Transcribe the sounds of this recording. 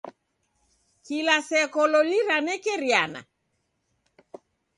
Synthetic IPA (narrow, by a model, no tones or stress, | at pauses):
kilasɛkɔlɔliɾanɛkɛɾjana̰